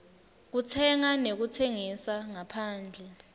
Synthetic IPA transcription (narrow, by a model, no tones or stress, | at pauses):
k̬utʰɛŋanek̬utʰeŋisaŋapʰaːnd͡ɮʱɛ